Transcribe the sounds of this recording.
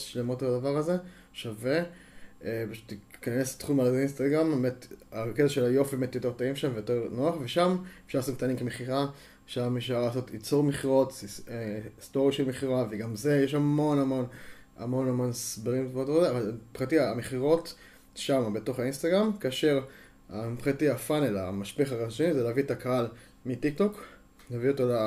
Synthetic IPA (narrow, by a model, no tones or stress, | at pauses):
ʃlemotbadavaʁaze̞ | ʃave | paʃu̥t̪ikanestχumalazeinst̪aɡʁambemetaketaʃelajo̞fibemetjote̞ʁtoimʃamvejote̞ʁnoaχveʃamefʃaʁlasot̚k̚tanimkemeχiʁa | ʃameʃ̬aʁlaːso̞tit͡soʁmeχiʁo̞testoʁjaʃelmeχiʁaveɡamze̞jeʃamo̞namo̞n | a̰mo̞namo̞nsbeʁimotoʁzeavalpχatiaameχiʁo̞t | ʃamabe̞to̞χainst̪aɡʁamkaːʃe̞ʁ | apχatiafanelamaʃpeχaʁaʃenizeleavitakaal | mitik̚to̞k | leavio̞tola